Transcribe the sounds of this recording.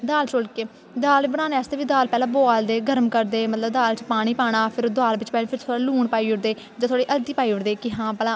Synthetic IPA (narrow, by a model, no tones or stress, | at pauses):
d̪aːlt͡ʃoːlkeː | d̪aːlbəɽ̃aːneɛːst̪eːʋiːd̪aːlpɛːlãːboːald̪eːɡəɾəmkəɾd̪eːmət̪ləb̚d̪aːlt͡ʃpaːɽ̃iːpaːɽ̃aːpʰɪɾd̪aːlbɪt͡ʃpɛːiːpʰɪɾt̪ʰoːɽaːluːɳpaːiːʊɽd̪eː | d͡ʒãːt̪ʰaːɽiːʔəlt̪iːpaːiːʊɽd̪eːkɪɦãːpɛːlãː